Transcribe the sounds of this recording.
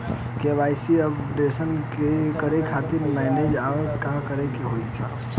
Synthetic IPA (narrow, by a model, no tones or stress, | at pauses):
kebajsiəbɖesənkekəɾekʰat̪iɾmajned͡ʒakakəɾɛkeɦojt͡ʃʰa